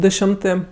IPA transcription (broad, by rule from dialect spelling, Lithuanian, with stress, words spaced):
ˈdʊ ˈʃʲɪmtɜ